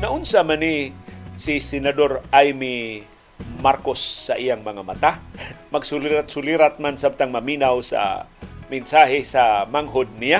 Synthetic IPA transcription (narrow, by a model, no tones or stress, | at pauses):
naʔʊnsamanisɪsɪnad̪oɾʔajmi | maɾkosːaʔijaŋmaŋamat̪amaɡsʊliɾat̪̚sʊliɾat̪̚mansab̚t̪aŋmamiːnawsa̰mɪnsaɦɪsamaŋɦod̪̚nija